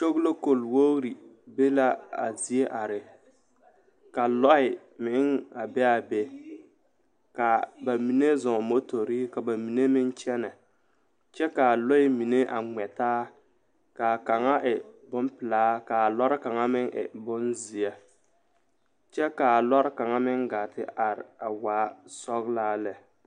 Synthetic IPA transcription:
t͡ʃo˦ɣlo˦ko˨lwo˦ɾi˨ | be˦la˦a̰˨zi˨e˦ʔa˨ɾɪ˨ | ka˨lɔ˦ɪ˨ | mɪ˨˦ŋa˨bɛ˦a˨be˦ | ka˨ba˨mi˨ne˦zɔ˨mo˦to˨ɾi˦ka˨ba˨mi˨ne˦mɪ˦n˦t͡ʃɛ˦na˨ | t͡ʃɛ˦ka˨lɔ˦ɪ˦mi˨ne˦ʔa˨ŋ͡mɛ˨taː˦ | ka˨ka˨ŋa˦ʔɪ˨bʊ˦mpɪ˨laː˦ka˨lɔ˦ɾɪ˦ka˨ŋa˦mɪ˦ŋʔɪ̰˨bʊ˦nzi˨a˦ | t͡ʃɛ˦ka˨lɔ˦ɾɪ˦ka˨ŋa˦mɪ˦ŋɡa˨tɪ˦a˨ɾɪ˨a˨waː˨˦sɔ˦ɣlaː˦lɛ˨

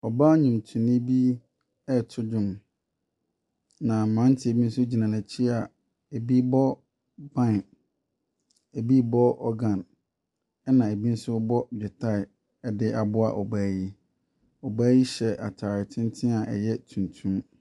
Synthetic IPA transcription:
ɔ˨ba˦ɲũ˨mtʰũ˨nɪ˦bi˦ | ɛ˦tʰʊ˦d͡ʑʊ̃˨m | nã˨mã˨˦n˦tʰɪ˦˨e˨bi˦n̩˦sʊ˦d͡ʑi˨nã˨nã˨t͡ɕʰi˦a˨ | e˨bi˦bɔ˦ | bã˦˨n˨ | e˨bi˦bɔ˦ɔ˦ɡã˨n | ɛ˦nã˨e˨bi˦n̩˦sʊ˦bɔ˦d͡ʑᶣɛ˨tʰa˦˨ɪ˨ | ɛ˦dɪ˦ʔa˨bʊ˦a̰˨ʔɔ˨baː˦ji˦ | ɔ˨baː˦ji˦ɕɛ˨ʔa˨tʰaː˨ɾɪ˨tʰɪ̃˦n˦tʰɪ̃˦a˨ʔɛ̰˨jɛ˦tʰũ˨n˨tʰũ˦

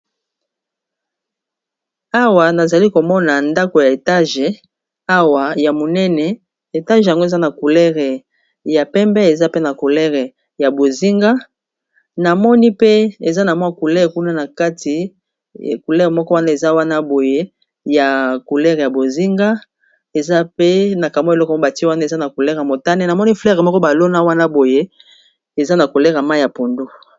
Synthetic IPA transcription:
a˦wa˨na˨za˨li˦ko˨mɔ˦na˨nda˦ko˨ja˨e˨ta˦ʒe˨ | a˦wa˨ja˨mo˨nɛ˦nɛ˨ | e˨ta˦ʒja˨ŋɡo˦e˨za˦na˨ku˨lɛ˦ʁe˨ | ja˨pɛ˦mbɛ˦e˨za˦pe˦na˨ku˨lɛ˦ʁe˨ | ja˨bo˨zi˦ŋɡa˦ | na˨mɔ˦ni˦pe˦e˨za˦na˨mwa˦ku˨lɛ˦ʁe˨ku˦na˦na˨ka˦tḭ˨ | ku˨lɛ˦ʁe˨mɔ˦kɔ˦wa˦na˦e˨za˦wa˦na˦bo˨je˦ | ja˨ku˨lɛ˦ʁe˨ja˨bo˨zi˦ŋɡa˦ | e˨za˦pe˦na˨ka˨m˦e˨lɔ˦kɔ˨˦˨a˨ti˦wa˦na˦e˨za˦na˨ku˨lɛ˦ʁja˨mo˨ta˦ne˦na˨mɔ˦ni˦flɛ˦ʁe˨mɔ˦kɔ˦ba˨lo˦na˦wa˦na˦bo˨je˦ | e˨za˦na˨ku˨lɛ˦ʁa˨ma˦ja˨po˨ndo˦

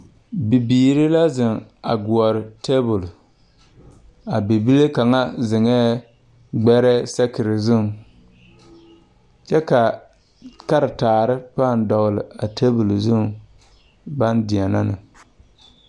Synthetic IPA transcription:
bi˨biː˨ɾɪ˦la˦zɪ˨ŋa̰˨ɡʊ˨ɔ˨ɾɪ˨te˦bʊ˨l | a˨be˨bi˦le˦ka˨ŋa˦zɪ˨ŋɛː˦ | ɡ͡bɛ˦ɾɛ˦sɛ˦kɪ˨ɾɪ˨zʊ˦ŋ | t͡ʃɛ˦ka˨ | ka˦ɾɨ˨taː˨ɾɪ˦paː˦˨n˦dɔ˨ɣlɪ˨a˨tʰe˦bʊ˨lzʊ˦ŋ | ba˦ndɪ˨ɛ˨na˦nɨ̰˨

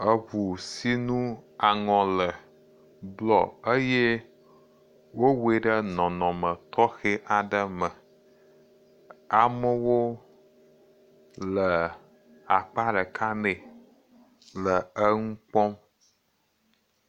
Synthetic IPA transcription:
ə˦βu˨si˦nũ˦a˨ŋɔ̃˨lə˨ | blɔ˨ə˦je˦ | wo˦we˨ɖə˦nɔ̃˨nɔ̃˨mə̃˨t̪ʰɔ˦xe˦ʔa˨ɖə˦mə˨ | a˨mə˦wo˦ | lə˨ | a˨k͡pa˦ɖə˨kʰa˦nẽ˨ | lə˨ə˦ŋũ˦k͡pɔ̃˦m

